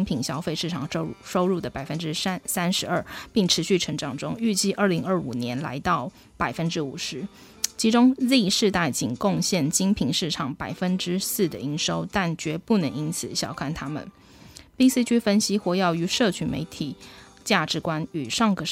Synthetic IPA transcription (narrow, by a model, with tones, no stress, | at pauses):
ŋpʰi˨˩ŋɕjɑ˥ʊfe˥˧ɪʂɻ̩˥˩ʈ͡ʂʰɑ˨˩ŋ˥ʂo˥ʊɻu˥˩d̪ə˩pa˨˩ɪfə˦˥nʈ͡ʂɻ̩˥sa˥nʂɻ̩˧˥ə˞˥˩pi˥˩ŋʈ͡ʂʰɻ̩˧˥ɕy˥˩ʈ͡ʂʰə˧˥ŋʈ͡ʂɑ˨˩ŋʈ͡ʂʊ˥ŋy˥˧t͡ɕi˥˧ʔə˞˥˩li˧˥ŋə˞˥˩ṵ˨˩njɛ˧˥nla̰˧˥ɪt̪ɑ˥˩ʊ | pa˨˩ɪfə˦˥nʈ͡ʂɻ̩˥u˨˩ʂɻ̩˧˥ | t͡ɕʰi˧˥ʈ͡ʂʊ˥ŋli˥˧ʂɻ̩˥˧t̪a˥˩ɪt͡ɕi˨˩ŋkʊ˥˧ŋɕjɛ˥˩nt͡ɕi˥ŋpʰi˨˩ŋʂɻ̩˥˩ʈ͡ʂʰɑ˨˩ŋpa˨˩ɪfə˥nʈ͡ʂɻ̩˥sɹ̩˥˩d̪ə̰˨˩i˧˥nʂo˥ʊt̪a˥˩nt͡ɕɥɛ˧˥pu˥˩nə˧˥ŋi˥nt͡sʰɹ̩˨˩ɕjɑ˨˩ʊkʰa˥˩nt̪ʰa˥mə̰˨n | pi˥si˥t͡ɕʰy˥fə˥nɕi˥xwɔ˧˥jɑ˥˩ʊy˧˥ʂɤ˥˩t͡ɕʰy˧˥mḛ˧˥ɪt̪ʰi˨˩˦ | t͡ɕja˥˩ʈ͡ʂɻ̩˧˥kwa˥ny˨˩ʂɑ˥˩ŋɡə˨